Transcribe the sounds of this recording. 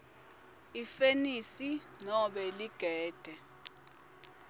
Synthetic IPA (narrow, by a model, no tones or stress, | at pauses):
ifenisinɔɓɛliɡ̥ʱɛːd̥ʱɛ